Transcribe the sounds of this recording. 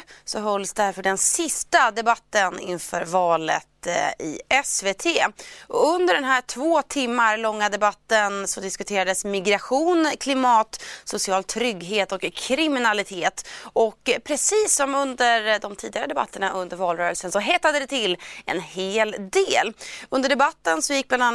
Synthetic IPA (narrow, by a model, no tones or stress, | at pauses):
sɔɦœlːsd̪æɾfœɖɛnsɪst̪ad̪ɛbat̪ːənɪ̰nfœɾvɑːlə̰t̪ɪ̰ɛsveːt̪ʰeːɔɵnd̪əɖɛnɦæːʈʰvoːt̪ʰɪmːaɾlɔŋːad̪ɛbat̪ːənsɔd̪ɪskɵt̪ʰeːɾad̪əsmɪɡɾaɧuːnkʰlɪmɑːt̪sʊsɪɑːlt̪ʰɾʏɡɦeːt̪ɔkʰːɾɪmɪnalɪt̪ʰeːt̪ɔkːpʰɾɛsiːsːɔmɵnd̪əɾd̪ɔmt̪ʰiːd̪ɪɡaɾəd̪ɛba̰t̪ːəɳaʔɵnd̪əɾvɑːlɾœːɾəlsənsɔɦɛːt̪ːad̪əd̪ɛt̪ʰɪlɛ̰nheːld̪eːlɵnd̪əɖɛbat̪ːənsɔjɪk̚ːblana